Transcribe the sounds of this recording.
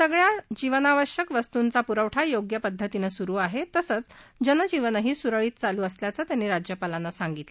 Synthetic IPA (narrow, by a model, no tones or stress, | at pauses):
səɡɭjad͡ʑiʋənaʋəɕjəkʋəst̪unt͡sapuɾəʋʈʰajoɡjəpəd̪ʱːət̪inasuɾuːaɦet̪əsət͡s | d͡ʑənəd͡ʑiʋənəɦiːsuɾəɭiːt̪̚t͡saluːəsljat͡səːt̪janːiːɾad͡ʑjəpalanːasaŋɡit̪le